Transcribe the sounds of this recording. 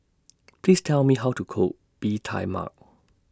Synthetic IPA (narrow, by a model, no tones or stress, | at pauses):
pʰl̥istʰɛlˠmiɦaʊtʰukʰo | b̥itʰa̰ɪma̰k